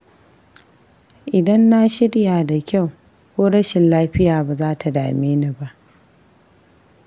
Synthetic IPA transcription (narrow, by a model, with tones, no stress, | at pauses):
ʔɪ˨dɐ˦nːa˦ʃɪ˦ɽjaː˨da˨kʲa˦˨w | kʷoː˦ɽɐ˦ʃɪ˨nlaː˦ɸɪ˦jaː˨baː˨zaː˦tʰa˨da̰ː˨meː˦ni˦ba˦ʔ